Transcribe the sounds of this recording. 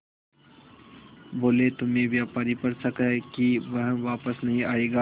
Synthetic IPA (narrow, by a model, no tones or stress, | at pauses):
boːlet̪ʊmẽʋjaːpaːɾipɐɾsɐkəɦkiʋɐɦʋaːpəsnɐɦĩaːeːɡaː